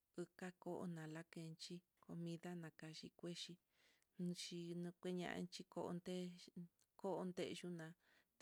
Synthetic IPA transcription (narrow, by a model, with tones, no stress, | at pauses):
ɨ˧ka˦ko˦ʔo̰˧nã˨la˦ke˧˨nt͡ʃi˦ | ko˧mĩ˧ða˦nã˨ka˧ʃḭ˧kʷe˦ʃi˧ | ñ˧ʃi˧nũ˧kʷe˦ɲã̰˧ʔa̰˧t͡ʃi˦ko˧ʔo̰˧nd̪e˦ | ko˦ʔo˧nd̪e˦ʔʒu˦nã˨˧